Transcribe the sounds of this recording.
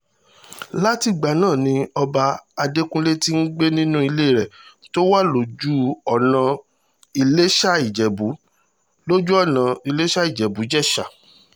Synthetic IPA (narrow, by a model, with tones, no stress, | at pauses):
la˦ti˧˨ɡ͡ba˨˦nãː˦˨nĩ˧ɔ˧ba˧a˧de˦kũ˦le˦ti˦n̩˦ɡ͡be˦nĩ˦nũ˦i˧le˦i˦˨ɾɛ˨to˦wa˦lo˨d͡ʒu˦ɔ˦˨nã˨˧ | i˧le˦ʃa˦i˦˨d͡ʒɛ˨bu˨˦ | lo˦d͡ʒu˦ɔ˦˨nã˨i˧le˦ʃa˦i˦˨d͡ʒɛ˨bu˨˦d͡ʒɛ˦˨ʃa˨